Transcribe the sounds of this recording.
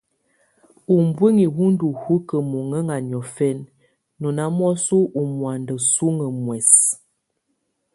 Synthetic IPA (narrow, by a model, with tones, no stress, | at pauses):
u˨m˦bwe˦ŋi˨wu˦n˦du˨hu˦kə˨mo˨ŋə˦ŋa˨n˨ɔ˨fɛ˦nː | ɔ˨na˦m˦ɔ˦su˦ʔu˨mwa˨ndə˨su˦ŋə˨mwɛ˨s